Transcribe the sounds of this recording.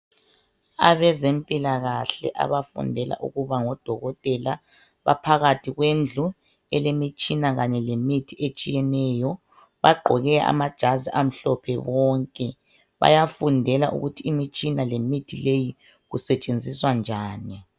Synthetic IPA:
a̰βɛzempʼilaɣaɬɛ̰ʔa̰βafṵndʱɛla̰ʔṵɣuβaŋɔd̥ʱɔɣɔtʼɛla | βa̰pʰaɣatʰiɣwend͡ɮʱu | ɛlemit͡ʃʼinaɣaɲɛlemitʰiet͡ʃʼijɛnɛjɔ | βaɡ͡ǃʱɔɣɛaʔa̰mad̥ʒ̥ʱaziʔam̩ɬɔpʰɛβɔːŋkʼɛ | βa̰jafundʱɛlaʔṵɣutʰiːmit͡ʃʼinalemitʰileji | ɣusɛt͡ʃʼend͡zʱiswand͡ʒʱaːni

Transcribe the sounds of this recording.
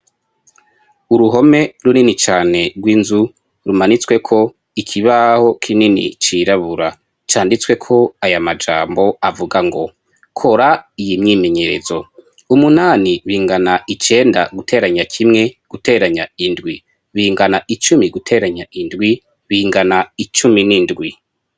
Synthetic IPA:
uɾuɦo̞me̞ɾuninit͡ʃaːne̞ɡwiːnzu | ɾumanit͡swe̞kʰo̞ | ikʰiβaho̞kʰininḭt͡ʃiɾaβuɾa | t͡ʃaːndit͡swe̞kʰo̞ajamad͡ʒaːmbo̞avuɡaŋɡo̞ | kʰo̞ɾaijimɲiːme̞ɲe̞ɾe̞̰zo̞ | umunaːniβiːŋɡanait͡ʃe̞ːnda̰ɡutʰe̞ːɾaɲakʰimŋe̞ɡ̥ute̞ɾaɲaindɡwi | βiːŋɡanait͡ʃumiɡutʰe̞ːɾaɲaʔindɡwi | βiːŋɡanait͡ʃuminindɡwi

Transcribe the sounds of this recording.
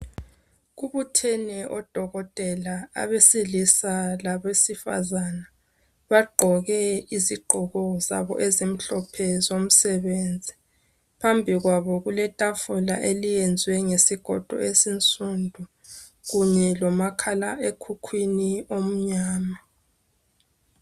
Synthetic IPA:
ɣuβutʰɛnɛʔɔd̥ʱɔɣɔtʼɛlaa̰βesilisalaβesifa̰zana | βaɡ͡ǃʱɔɣɛiziɡ͡ǃʱɔɣɔza̰βɔ̰ʔezim̩ɬɔpʰɛzom̩sɛβeːnd͡zʱi | pʰambʱiɣwaβɔɣulɛtʼafula̰ʔelijɛnd͡zʱwɛŋesiɡ̥ʱɔ̰d̥ʱɔ̰esint͡sʼundʱu | ɣuɲɛlɔmakʰalaʔekʰukʰwiniom̩ɲaːma

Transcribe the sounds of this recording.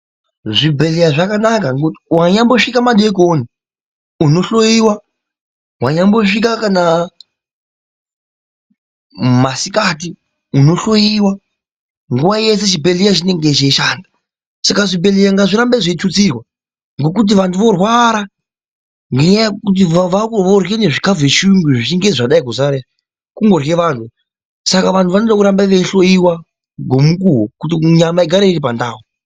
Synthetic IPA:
ʐibʱe̞lijaʐakanak̬aŋɡowaɲamboʂikamaɗe̞koni | uno̞ɬo̞jiwa | waɲambo̞ʂikakana | masikati | uno̞ɬo̞jiwa | ŋɡuʋaje̞seʃ̬ibʱe̞lijat͡ʃine̞ŋɡe̞t͡ʃeiʃaːnda | sakaʐibe̞lejaŋɡaʐiɾambeʐeit͡ʃut͡sirwa | ŋɡo̞kut̬iʋantʰuʋo̞rwaɾa | ŋɡeɲajakut̬iʋaʋorjene̞ʐikavweʃuŋɡuʐiiŋɡeʐaɗaikuzare | kuŋɡo̞rɣeʋaːntʰu | sakaʋantʰuʋanoɗakuɾambaʋeiɬo̞jiwa | ɡʱo̞mukuɦokutiɲamaiɡʱaɾeiripandaːwu

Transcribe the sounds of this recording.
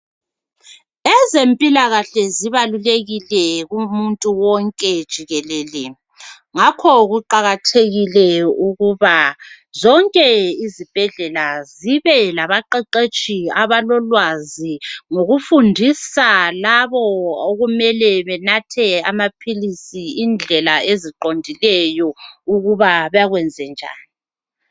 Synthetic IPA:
ɛzempʼilaɣaɬɛziβaluleɣilɛɣumuntʼuwɔŋkʼɛd̥ʒ̥ʱiɣɛlɛːlɛ | ŋakʰɔɣuǃaɣatʰeɣilɛuɣuβa | zɔŋkʼɛizib̥ʱɛɮɛlaziβɛlaβaǃɛǃet͡ʃʼiaβalɔlwaziŋoɣufundʱisalaβɔoɣumɛlɛβɛnatʰɛamapʰilisiind͡ɮʱɛlaeziǃondʱilɛjɔuɣuβaβjaɣwɛnd͡zʱɛnd͡ʒʱa̰ːni

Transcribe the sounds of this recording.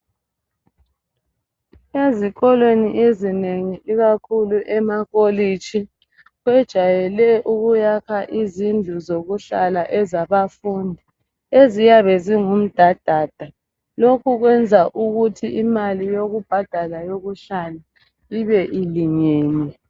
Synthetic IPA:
eziɣɔlweniʔezineŋiʔiɣakʰuluʔɛmaɣolit͡ʃʰi | ɣwɛd̥ʒ̥ʱajɛlɛʔuɣujakʰaʔizind͡ɮʱuzoɣuɬalaʔɛzaβafundʱi | ezijaβɛziŋum̩d̥ʱad̥ʱaːd̥ʱa | lokʰuɣwɛnd͡zʱaʔuɣutʰiʔimalijoɣub̥ʱad̥ʱalajoɣuɬala | iβɛʔiliŋeːni

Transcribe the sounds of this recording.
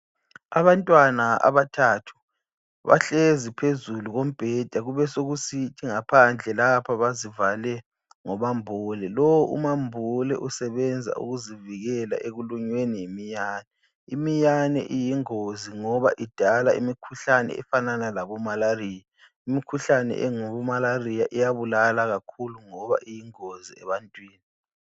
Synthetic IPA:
aβantʼwanaa̰βatʰatʰu̥ | βa̰ɬezipʰezuluɣom̩b̥ʱɛd̥ʱaɣuβɛsoɣusitʰiŋapʰand͡ɮʱɛlapʰaβazivalɛ | ŋɔmambʱulɛlowɔʔṵmambʱulɛ̰ʔusɛβɛnd͡zʱa̰ʔṵɣuziviɣɛla̰ʔeɣuluɲwenijemijaːnɛ | imijanɛ̰ʔijiŋoziŋɔβaʔid̥ʱalaḭmikʰuɬanɛ̰ɛ̰fananalaβɔmalariːja | imikʰuɬanɛ̰ʔɛŋɔβɔmalarijaʔijaβulalaɣakʰuluŋɔβa̰ʔijiŋoziɛβantʼwiːni

